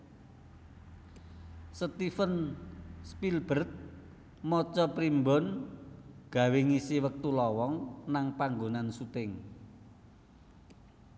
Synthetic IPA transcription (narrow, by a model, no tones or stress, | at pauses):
sət̪ifənspilb̥ərt̪̚ | mɔt͡ʃɔpɾimbɔn | ɡ̥ä̤weŋisiwək̚t̪ulɔwɔŋnaŋpaŋɡonansut̪ɪŋ